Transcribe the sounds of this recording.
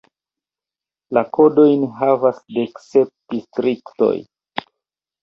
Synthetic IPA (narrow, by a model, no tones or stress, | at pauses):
lako̞do̞jnɦavasdeksep̚d̥istɾikto̞̰j